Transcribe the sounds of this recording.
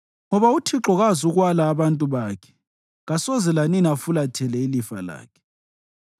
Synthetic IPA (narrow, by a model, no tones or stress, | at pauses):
ŋɔβautʰiǁɔɣazuɣwalaːβantʼuβaːkʰɛ̥ | ɣasɔzɛlaninafulatʰɛlɛilifa̰la̰ːkʰɛ̥